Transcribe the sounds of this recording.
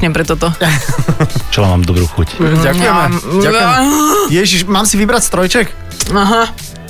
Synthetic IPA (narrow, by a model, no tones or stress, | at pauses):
ɲɛpɾɛt̪ɔt̪ɔ | t͡ʃɛlama̰ːmd̪ɔbɾṵːxucɟakujɛmɛaɛmjɛʒiʃmaːmsiʋibɾacst̪ɾɔjt͡ʃɛk | aɦa